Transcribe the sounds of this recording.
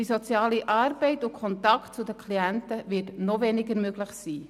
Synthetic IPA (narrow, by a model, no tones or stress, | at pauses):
d̥isɔt͡sjɑːliʔɑːrb̥ɛɪtʊkʰχɔntɑkt̚t͡sʊdəkʰliæntəʋɪtnɔvɛnɪɡəɾmøɡlɪχsiː